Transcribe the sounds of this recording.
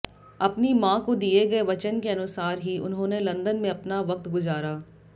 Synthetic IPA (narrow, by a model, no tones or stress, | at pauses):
ɐpnimãːkod̪ieɡɐeʋɐt͡ʃənkeɐnʊsaːɾɦiʊ̰nɦõːnelɐ̃nd̪ənmẽɐpnaʋɐk̚t̪ɡʊzaːɾaː